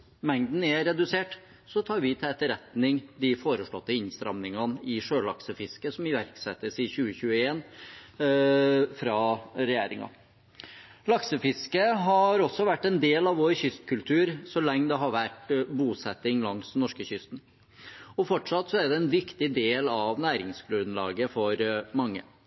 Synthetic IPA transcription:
mɛŋd̪n̩ɛɾɛd̪ʉseːʈ | sɔt̪ʰɑːɾʋɪt̪ʰɪlɛt̪ːəɾɛt̪nɪŋd̪ɪfoːɾəʂɭɔ̰t̪ːəɪnst̪ɾɑ̰mnɪŋɑnɪʂøːɭɑ̰ksəfɪskəsɔmɪʋæɾksɛt̪ːəsɪçʉːəçʉːəeːn | fɾɑɾɛjḛːɾɪ̰ŋɑ̰ | lɑksəfɪskəɦɑɾɔsːɔʋæʈːɛnd̪eːlɑʋoːɾçʏst̪kʰʉlt̪ʰʉːɾsɔlɛŋːd̪ɛɦɑɾʋæʈbuːsɛt̪ːɪŋlɑŋsnɔʂkəçʏst̪n̩ | ɔfɔʈʂɑt̪ːsɔæɖɛɛnʋɪkt̪ɪd̪eːlɑʋnæːɾɪŋskʰlʉd̪nlɑ̰ːɡəfɔɾmɑŋːə̰

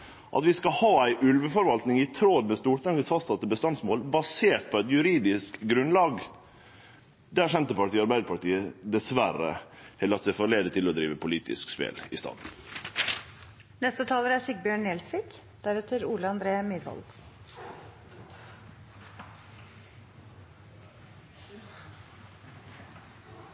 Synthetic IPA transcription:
ʔɑ̰t̪ʋɪskɑhɑːæɪʔʉlʋəfɔɾʋɑlt̪nɪŋɪt̪ʰɾoːd̪mɛst̪uːɾʈ̪ɑŋəsfɑst̪sɑt̪ːəbəst̪ɑnsmoːlbɑseːʈt̪̚pʰɔæɪt̪jʉɾiːd̪ɪskɡɾʉnlɑːɡ | d̪æːʂɛnt̪əpɑʈiːɑɾbæɪd̪əpɑʈiːəd̪ɛsʋæɾə̰hɛləɾɑt̪sɛfoːɭeːd̪ət̪ʰɪlɔd̪ɾiːʋəpʰʊliːt̪ʰɪ̰skspḛːlɪst̪ɑ̰ːd̪n̩ | nɛst̪ət̪ʰɑːləɾæsɪk̚bjøːɳneːlsʋiːk | d̪̥æɾɛt̪ʰəɾuːləɑnd̪ɾeːəmɪd̪ʋɔ̰l

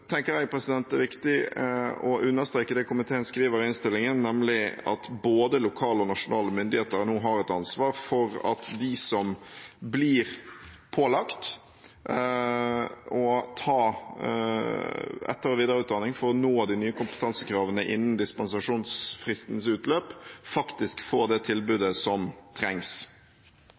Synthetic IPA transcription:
t̪ʰɛŋkəɾɛɡpʰɾɛsɪd̪ɛnt̪ɛʋɪkt̪ɪ | ɔʔʉnːəst̪ɾeːkəd̪ɛkʰʊmɪt̪ʰeːənskɾiːʋəɾɪnst̪ɪlːɪŋənːɛmlɪɑ̰t̪boːd̪əlʊkʰɑːləɔnɑʂʊnɑːləmʏnd̪ɪheːt̪əɾnuːɦɑɾɛt̪ɑnsʋɑːɾfɔɾɑ̰t̪d̪ɪsɔmbliːɾ | pʰoːlɑkt̪ | ɔt̪ʰɑː | ɛ̰t̪ːəɾɔʋiːd̪əɾəʉːt̪d̪ɑnɪŋfɔɾɔnoːd̪ɪnyːəkʊmpət̪ʰɑnsəkɾɑːʋənəʔɪnːənd̪ɪspɛns̬ɑʂuːnsfɾɪst̪nsʉːt̪løːpfɑkt̪ɪskfoːɾd̪ɛt̪ʰɪlbʉːd̪əsɔmt̪ʰɾɛŋs

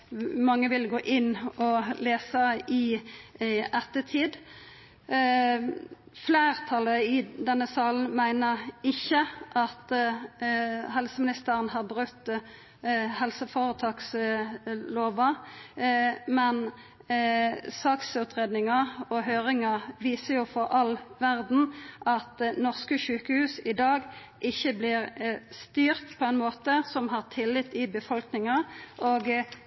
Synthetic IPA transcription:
mɑŋːəʋɪlɡoːʔɪnːɔleːsəɪ | ɛt̪ːət̪ʰiːd̪ | fleːʁt̪ʰɑləɪd̪ɛnːəsɑːln̩mæɪnəɾɪçəʔɑt̪ | hɛlsəmɪnɪst̪əɾənɦɑːʁbʁʉt̪ː | hɛlsəfoʁət̪ʰɑːks | loːʋɑ | mɛn | sɑːksʉt̪ʁeːd̪nɪŋɑɔɦøːʁɪŋɑʋiːsəjʊfɔʁɑlʋæʁd̪n̩ʔɑt̪nɔʁskəʃʉːkəhʉːsɪd̪ɑːɡ | ʔɪçːəblɪʁst̪yːʁt̪pʰɔɛnmoːt̪əsɔmɦɑːʁt̪ʰɪlːɪt̪ːɪbəfɔlknɪŋɑʔoːɡ

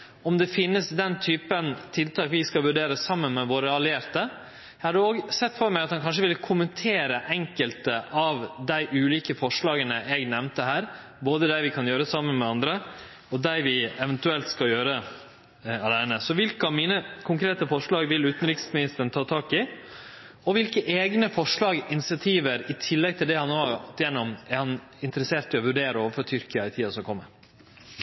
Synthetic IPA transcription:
ɔmd̪ɛfɪnːəsd̪ɛnt̪ʰyːpənt̪ʰɪlt̪ɑːkʋɪskɑʋʉɖeːɾəsɑmːənmɛʋoːɾəɑlɪeːɾt̪ə | jæɪhɑɾd̪ʉoːɡsɛt̪ːfɔɾmæɪɑt̪hɑnkʰɑnʂ̬əʋɪlkʰʊmənt̪ʰeːɾəʔɛŋkəlt̪əʔɑʋd̪æɪʔʉːliːkəfɔʂɭɑːɡənəʔɛɡnɛʋnt̪əhæːɾ | boːd̪əd̪æɪʋɪkʰɑnjøːɾəsɑmːənmɛɑnd̪ɾə | ɔd̪æɪʋɪɛʋɛnt̪ʉɛlt̪skɑljøːɾə | ɑlæɪnəsɔʋɪlkəɑmiːnəkʰʊŋkɾeːt̪əfɔʂɭɑːɡʋɪlʉːt̪n̩ɾɪksmɪnɪst̪əɳ̩t̪ʰɑːt̪ʰɑːkɪ | ɔʋɪlkəʔeːɡnəfɔʂɭɑːɡɪnɪsɪɑt̪ʰiːʋəɾɪt̪ʰɪlːɛɡ̚t̪ʰɪld̪ɛhɑnːoːɔt̪jɛnːɔmɛɾhɑn | ɪnt̪əɾəseːɾʈ̪ɪlɔʋʉɖeːɾəoːʋəfɔɾt̪ʰʏɾkəɑɪt̪ʰiːɑsɔkʰɔmːə

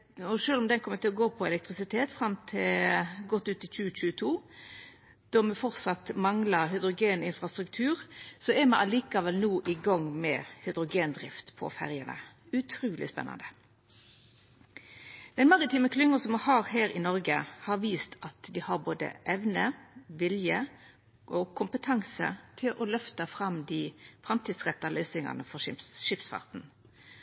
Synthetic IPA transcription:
ɔʂøːlɔmd̪ɛnkʰɔmːət̪ɪlɔɡoːpʰɔɛlɛk̚t̪ʁɪsɪt̪ʰeːt̪fɾɑmt̪ʰɪlɡɔt̪ːʉːt̪ɪlt͡ʃʉːət͡ʃʉːət̪ʰuː | d̪̥ɔmɛfɔʁt̪sɑt̪mɑŋlɑɦʏd̪ʁʊɡeːnɪnfʁɑst̪ɾʉkt̪ʰʉːʁsɔɛmɑʔɑliːkɑʋɛlnuːʔɪɡɑŋmɛ̰hʏd̪ʁʊɡeːnd̪ɾɪft̪pʰɔ̰fæ̰ʁjənə̰ | ʉt̪ʰɾuːlɪ̰spɛ̰nɑ̰nd̪ə | d̪̥ɛnmɑʁɪt̪iːməkʰlʏŋːəsɔmɑhɑːʁhæːʁɪnɔʁɡəhɑʁʋiːst̪ʰɑt̪d̪ihɑɾboːd̪ə̰ʔɛʋnəʋɪljə | ʔɔkʰʊmpət̪ʰɑŋsə̰t̪ʰɪlʔɔlœft̪ɑfʁɑmd̪iːfɾɑmt̪ʰiːd̪sʁɛt̪ːɑlœʏsɪŋɑ̰nəfɔʂɪsʃɪpsfɑ̰ʁt̪n̩

